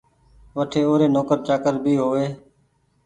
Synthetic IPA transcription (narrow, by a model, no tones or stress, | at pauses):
ʋəʈʰeːoːɾeːnoːkəɾt͡ʃaːkəɾbʱiːɦoːʋeː